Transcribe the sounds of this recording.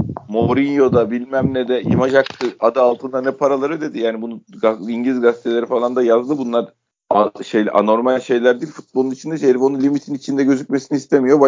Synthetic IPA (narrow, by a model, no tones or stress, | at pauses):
mo̞ɾinjo̞d̪abilʲmæmned̪ɛjḭmaʒak̚t̪ʰɯad̪ɯalˠt̪ʰɯnd̪anɛpʰaɾalˠaɾɯd̪ed̪ijaːnibunuɡaiɲɟlʲizɡast̪ʰelʲeɾifalˠand̪ajazlˠɯbunlˠaɾ | aʃejlʲʔa̰no̞ɾmalʲʃe̞jlʲæɾd̪iːlʲfu̥t̪̚bo̞lˠunit͡ʃʰind̪ɛʃeɾfo̞nunlʲimit̪ʰinit͡ʃʰind̪ɛɟø̞zycʲmesinist̪ʰemijo̞ba